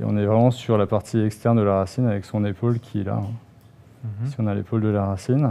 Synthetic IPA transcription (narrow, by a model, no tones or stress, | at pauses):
ɔ̰̃nɛvʁɛmɑ̃syʁlapaʁt̪ʰiɛkst̪ɛʁnd̪əlaʁasinavɛksɔ̃nepolkʲʰiɛla̰ɛ̃ | siɔ̃nalḛpold̪əlaʁasin